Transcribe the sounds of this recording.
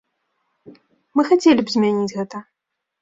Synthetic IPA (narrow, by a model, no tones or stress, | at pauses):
mɨxat͡sʲelʲibzʲmʲanʲit͡sʲɣɛt̪ɐ